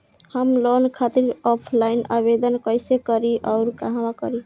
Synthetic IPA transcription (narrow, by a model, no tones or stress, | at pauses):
həmlonkʰat̪iɾɔpʰlainaβed̪ənkəjsekəɾiʔɔʊɾkaɦãwakə̰ɾi